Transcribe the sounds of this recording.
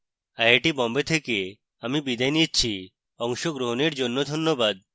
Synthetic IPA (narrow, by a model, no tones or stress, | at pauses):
ajeʈibɔmbet̪ʰeke | amibid̪ʱajnit͡ɕʰi | ɔŋʃoɡɾoɦoneɾd͡ʑonːod̪ʱonːobad̪̚